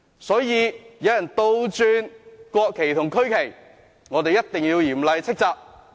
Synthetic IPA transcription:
sɔː˨˥jiː˨˧jɐ˨˧wjɐ˨˩nt̪o˧wt͡syː˧nkɔː˧kʰːe˨˩jt̪ʰʊ˨ŋkʰɵ˥ɥkʰe˨˩j | ŋɔː˨˧t̪e˨jɐ˥t̚t̪ɪ˨ŋjiː˧wjiː˨˩mlɐ˨jt͡sʰɪ˥k̚t͡saː˨˧p̚

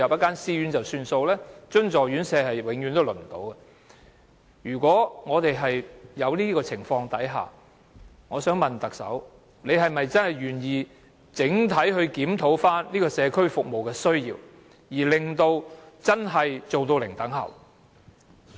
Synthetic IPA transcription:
jɐ˨p̚jɐ˥tkaː˥nsiː˥yː˨˥nt͡sɐ˨wsyː˧nso˧wlɛː˥t͡ʃɵ˥ŋt͡sɔː˨˩ɥyː˨˥nsɛː˧hɐ˨jwɪ˨˥ŋjyː˨˧nt̪o˥wlɵ˨˩nm̩˨˩t̪o̰˨˧˥wkɛ˧ | jyː˨˩kʷɔː˨˥ŋɔː˨˧t̪e˨jɦɐ˨jjɐ˨˧wliː˥kɔː˧t͡sʰɪ˨˩ŋfɔː˧ŋt̪ɐ˨˥jɦa̰ː˨˩ | ŋɔː˨˧sœː˨˥ŋmɐ˨nt̪ɐ˨k̚sɐ̰˨˥w | le˨˧jɦɐ˨jmɐ˨jt͡sɐ˥nhɐ˨jɥyː˨˩njiː˨ | t͡sɪ˨˥ŋt̪ʰɐ˨˥jɦɵ˧ɥkiː˨˥mt̪ʰo˨˥wfaː˥nliː˥kɔː˧sɛː˨˧kʰɵ˥ɥfʊ˨k̚mo˨wkɛː˧sɵ˥ɥjḭː˧w | jiː˨˩lɪ˨˩ŋt̪o˧wt͡sɐ˥nɦɐ˨jt͡so˨wt̪o˧wlɪ˨˩ŋt̪ɐ˨˥ŋhɐ̰˨˩w

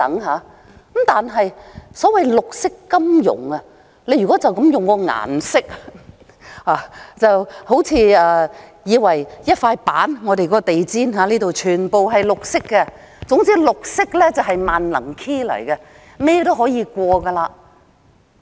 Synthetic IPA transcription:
t̪ɐ˨˥ŋɦaː˨˥ | kmt̪aː˨nɦɐ˨jsɔː˨˥wɐ˨jlʊ˨k̚sɪ˥kːɐ˥mjʊ̰˨˩ŋɐ˧ | le˨˧jyː˨˩kɔ˨˥t͡sɐ˨wkɐ˨˥mjʊ˨ŋkɔː˧ŋa̰ː˨˩nsɪ˥k̚ | haː˨˧t͡sɐ˨who˨˥wt͡sʰiː˧ɛː˨˧jiː˨˧wɐ˨˩jjɐ˥t̚faː˧jpaː˨˥nŋɔː˨˧ɾe˨jkɔː˨˧˥kɔ˧t̪e˨jt͡siː˥nɦaː˨˥liː˥t̪o˨wt͡ʃʰyː˨˩npo˨wɦɐ˨jlʊ˨k̚sɪ˥kːɛ˧ | t͡sʊ˨˥ŋt͡siː˥lʊ˨k̚sɪ˥k̚lɛː˥t͡sɐ˨wɦɐ˨jmaː˨nlɐ̰˨˩ŋkʰiː˥lɐ̰˨˩jkɛ˧ | mɛː˥t̪o˥wɦɔː˨˥jiː˧kʷɔː˧ɡɐ˧laː˧

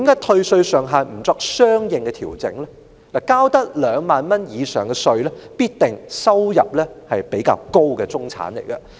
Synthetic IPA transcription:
t̪iː˨˥mkaː˨˥jt̪ʰɵ˧ɥsɵ˧ɥsœː˨ŋɦaː˨nm̩˨˩t͡sɔː˧k̚sœː˥ŋjɪ˨ŋkɛ˧t̪ʰiː˨˩wt͡sɪ̰˨˥ŋlɛ˥ | laː˨˩kaː˥wt̪ɐ˥k̚lœː˨˧ŋmaː˨nmɐ˥njiː˨˧sœː˨˩ŋkɛ˧sɵ˧ɥlɛ˥piː˥t̚t̪ɪ˨˩ŋsɐ˥wjɐ̰˨p̚lɛː˥hɐ˨jpe˨˥jka̰ː˧wko˥wkɛː˧t͡sʊ˥ŋt͡sʰa̰ː˨˥nle˨˩jkɐ˧

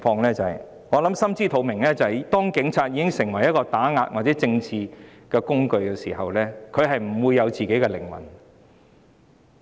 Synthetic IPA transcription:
fɔː˧ŋlɛː˥t͡sɐ˨ɐ˨j | ŋɔː˨˧lɐ˨˥msɐ˥mt͡siː˥t̪ʰo˨˧wmɪ˨˩ŋlɛː˥t͡sɐ˨˩t̪ɔː˥ŋkɪ˨˥ŋt͡sʰaː˧t̚jiː˨˧kɪ˥ŋsɪ˨˩ŋwɐ˨˩jɐ˥kɔː˧t̪aː˨˥ŋaː˧t̚waː˨t̚t͡sɛː˨˥t͡sɪ˧ŋt͡sʰiː˨˧kɛː˧kʊ˥ŋkɵ˧ɥkɛː˧siː˨˩ɦɐ˨wlɛː˥kʰɵ˨˧ɥɦɐ˨jm̩˨˩wuː˨˧jːɐ˨˧wt͡siː˨ke˨˥jkɛ˧lɪ̰˨˩ŋwɐ̰˨˩n

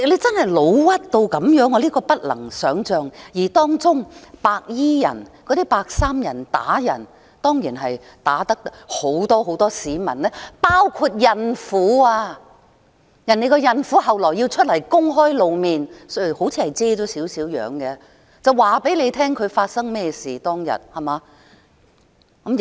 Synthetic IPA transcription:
le˨˧jt͡sɐ˥nhɐ˨˩jlo˨˧wwɐ˥t̚t̪o˧wkɐ˨˥mjœː˨˥ŋɔ˨˧liː˥kɔː˧pɐ˥t̚lɐ̰˨˩ŋsœː˨˥ŋt͡ʃœː˨ŋjiː˨˩t̪ɔː˥ŋt͡sʊ˥ŋpaː˧k̚jiː˥jɐ̰˨˩nkɔ˨˧t̪iː˥paː˧k̚saː˥mjɐ˨˩nt̪a̰ː˨˥jɐ̰˨˩n | t̪ɔː˥ŋjiː˨˩nɦɐ˨j | t̪aː˨˥t̪ɐ˥k̚ho˨˧˥wt̪ɔː˥ɦo˨˥wt̪ɔː˥siː˨˧mɐ̰˨˩nlɛː˥paː˥wkʰu˧t̚jɐ˨nfuː˨˥aː˧ | jɐ˨˩ne˨˧jkɔ˧jɐ˨nfu˨˥ɦɐ˨wlɔː˨˩jːi˧wt͡ʃʰɵ˥t̚lɐ˨˩jkʊ˥ŋɦɔː˥jlo˨˧wmiː˨nsho˨˥wt͡sʰiː˧hɐ˨jt͡sɛː˥t͡sɔː˨˥siː˨˥wsiː˨˥wjœ̰ː˨˧ŋkɛ˧ | t͡sɐ˨wwaː˨pe˨˥jle˨˧jt̪ʰɛː˥ŋkʰɵ˨˧ɥfaː˧t̚sɐ˥ŋmɛː˥siː˨t̪ɔː˥ŋjɐ̰˨˩t̚hɐ˨˩maː˨˦˧ | m

